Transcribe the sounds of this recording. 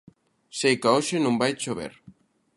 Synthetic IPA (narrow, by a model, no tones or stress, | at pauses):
sejkaoʃenõmbajt͡ʃoβḛɾ